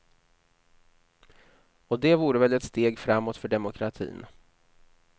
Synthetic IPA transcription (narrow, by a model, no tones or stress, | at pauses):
ɔd̪ɛvuːɾəvɛlɛt̪st̪eːɡfɾamːɔt̪fœɖɛmʊkʰɾat̪ʰḭːn